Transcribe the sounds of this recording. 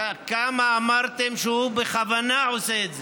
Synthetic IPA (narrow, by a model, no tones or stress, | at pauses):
kamaːmaʁt̪emʃeubeχavanaʕoseːd̪ze